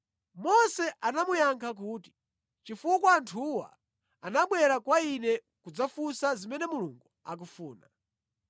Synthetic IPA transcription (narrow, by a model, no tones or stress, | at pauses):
mɔsɛʔanamujaŋkʰak̬uːti̥ | t͡ʃifukwaːntʰuwa̰ | anaɓwɛɾakwainɛ | kud͡zafusazimɛnɛmuluŋɡua̰k̬ufuːna